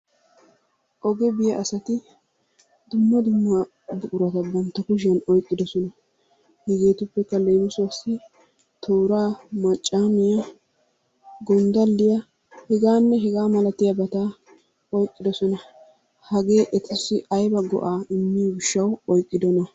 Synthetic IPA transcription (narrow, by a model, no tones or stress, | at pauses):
ʔɔɡɛbɪjɐʔɐsɐt̪ɪ | d̪ʊmːɐd̪ʊmːɐ | bʊʔʊɾɐt̪ɐbɐnt̪ːɐkʊʃ̬ɐnɔjkʼːɪd̪ɔsɔnɐ | hɛɡe̞ːt̪ʊpːɛkːɐleːmʊsʊɐsɪ | t̪ʰoːɾaːmɐt͡ʃʼːaːmɪjɐ | ɡɔnd̪ɐlːɪjɐ | hɛɡaːnːɛɦɛɡaːmɐlɐt̪ɪjɐbɐt̪aː | ɔjkʼːɪd̪ɔsɔnɐ | hɐɡe̞ːʔɛt̪ɪsɪʔɐjbɐɡɔ̰ʔaːɪmːiwɪʃːɐwɔjkʼːɪd̪ɔnɐ